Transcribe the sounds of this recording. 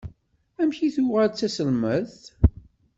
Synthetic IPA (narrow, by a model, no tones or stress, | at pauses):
æmçiθuwʁət͡sːæsəlməðθ